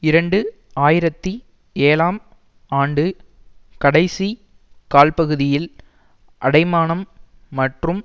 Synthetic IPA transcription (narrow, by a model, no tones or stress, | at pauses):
ɪɾɐɳɖɯ | aːjɪɾɐt̪ːi | eːlaːm | aːɳɖɯ | kɐɽɐɪsi | kaːlpɐɣɯðɪjɪl | ʔɐɽɐɪmaːɳɐmː | ɐʈrɯm